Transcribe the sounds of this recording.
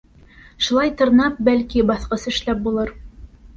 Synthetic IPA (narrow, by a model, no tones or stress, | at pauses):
ʃulˠɑjt̪ɤ̆ɾnɑp̚bælkibɑθqɤsɘ̆ʃlæp̚bulˠɤɾ